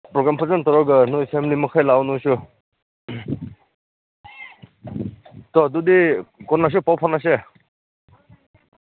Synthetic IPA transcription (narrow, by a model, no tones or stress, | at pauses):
pɾɔɡɾampʰazantɔɾɔɡɯnujpʰemlimɔkʰajlawnusu | t̪ɔdudikɔnas̬upawpʰɔnas̬e